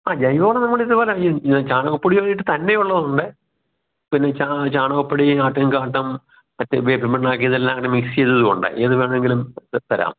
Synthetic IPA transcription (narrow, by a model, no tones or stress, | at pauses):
aːd͡ʑɐjʋoːɭenɐmːɐɭiðɨboːlet͡ɕaːɳoɣɐpːɐɽiʋɐnːiʈːɨt̪ɐnːe̞juɭːɐðuɳɖɨ | pinːe̞t͡ɕat͡ɕaːɳoɣɐpːɐɽiaːʈːɐmkaːʈːɐm | ɐt̪ːʋeːbʱimeɳːaːkːijɐðelːaŋːɐnɨmikst͡ɕejt̪ːɐðuɣo̞ɳɖɨ̰ʔeðɨʋeːɳeŋɡilumt̪ɐɾa̰ːm